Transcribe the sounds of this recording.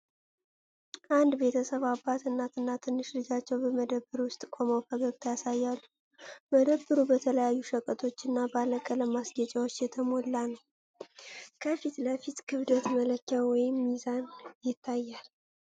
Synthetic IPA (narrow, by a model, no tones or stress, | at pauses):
ʔand̪be̞t̪ʰəsəβabːat̪ɨnːat̪ɨnːat̪ʰɨnːɨʃlɨd͡ʒat͡ʃːɛwbəməd̪əbːɨɾwʊst̪ʼkʷʰʼo̞məwfʰəɡəɡt̪ʰajasajːalːu | məd̪əbːɨɾubət̪ʰələjajːuʃəkʼət̪ʰo̞t͡ʃːɨnːabaləkʼələmasɡət͡ʃʼawo̞t͡ʃːjɛt̪ʰəmo̞lːanəw | kʰəfit̪ləfit̪kʰɨβd̪ət̪mələkːawɔjɪmːizanjɪt̪ʰːajːal